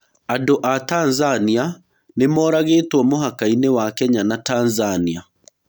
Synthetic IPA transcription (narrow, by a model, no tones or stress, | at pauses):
andoʔatanzania | nemɔːɾaɣeːtwɔmoɦakainewakɛɲanatanzania